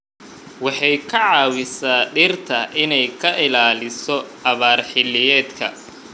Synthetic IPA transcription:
wɑħɑjkʰɐʕɑːwɪsaːɖɪrt̪ʰɐʔɪnɛjkʰɐʔɪlaːlɪsɔɐβaːrħɪlːɪjɛːd̪kʰɐ

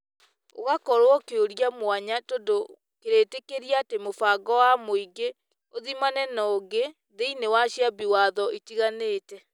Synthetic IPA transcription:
o̰ɣakɔɾwɔkeoɾjamwaɲatodo | keɾeːtekeɾiaatemofaɡɔwamoiɡe | oðimanɛnɔːɡe | ðeinewaʃjabiwaðɔʔitiɣaneːtɛ

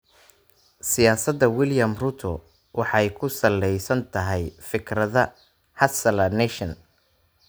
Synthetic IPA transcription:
sɪjaːsɐd̪ːɐwɪljɐmrut̪ʰɔ | wʔɑħɑjkʰʊsɐlːɛjsɐnt̪ʰɐɦɛjfɪkʰɾɐðɐ | hɐsɐlɐnɛʃɐn

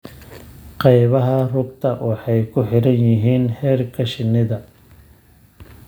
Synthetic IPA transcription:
qɑjβɐɦɐrʊɡ̚t̪ʰɐwʔʊħɑjkʰʊħɪɾɐnjɪɦiːnhɛːrkʰɐʃɪnɪðɐ

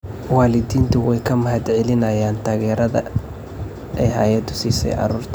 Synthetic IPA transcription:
wɑːlɪd̪iːnt̪ʰʊwɛjkʰɐmɐɦɐd̪ʕɛlɪnɐjaːnt̪ʰaːɣɛːɾɐðɐ̰ | ʔɛɦa̰ːjɐd̪ʊsiːsɛ̰jʔɑ̰ɾuːrt̪ʰ

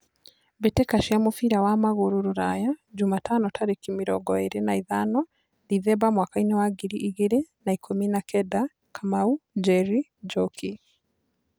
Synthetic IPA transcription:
betekaʃiamofiɾawamaɣoɾoɾoɾajad͡ʒumatʰanɔtʰaɾekimiɾɔ̰ɡɔeɾenaiðanɔ | diðɛbamwakainewaɡiɾiʔiɣeɾenaikʰominakʰɛda | kʰamaud͡ʒɛɾid͡ʒɔkʰi

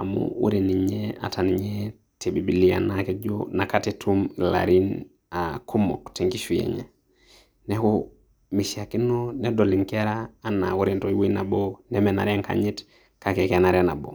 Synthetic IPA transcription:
amṵwṵɾiniɲɛa̰taniɲe | tebibilija̰nakɛd͡ʒonakatɛtʰumla̰ɾin | akʰumːɔ̰kteŋkiʃujḛɲɛ̰ | nɛko | miʃiakinːɔnɛdoliŋkɛɾaːnːa̰wuɾintojwinabonɛmɛna̰ɾɛŋka̰ɲit | kakɛkenaɾɛna̰bo̰

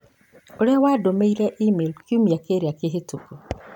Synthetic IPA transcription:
oɾewaːdomeiɾɛʔimelkiumiakeɾiakeɦetuku

